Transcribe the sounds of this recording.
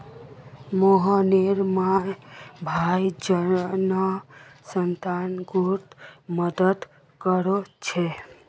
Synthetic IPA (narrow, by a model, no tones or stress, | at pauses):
moɦɔneɾma | bʱajd͡ʒənəsənt̪anɡuɾt̪məd̪əd̪ | kəɾot͡ʃʰe